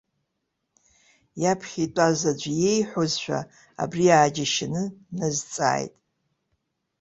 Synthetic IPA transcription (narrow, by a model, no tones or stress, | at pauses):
japʰχʲitʼazad͡ʒʷjejħʷozʃʷᶣa̰ | a̰briaːd͡ʒaʃɪnɨnazt͡sʼa̰ːjtʼ